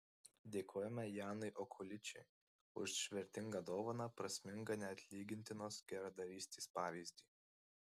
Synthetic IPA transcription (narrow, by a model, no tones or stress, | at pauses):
d̪ʲeːkʰoːjɛmʲɛjɑːnɐɪʔɔkʰʊlʲɪt͡ʃʲɛɪ | ʊ̰ʃʃʲʋʲɛɾʲt̪ʲɪŋɡɐd̪oːʋonɑpɾɐsʲmʲɪŋɡɐnʲɛɐt̪ʲlʲiːɡʲɪnʲt̪ʲɪnoːsɡʲɛɾɐd̪ɐɾʲiːsʲt̪ʲeːspɑːʋʲiːzʲd̪ʲiː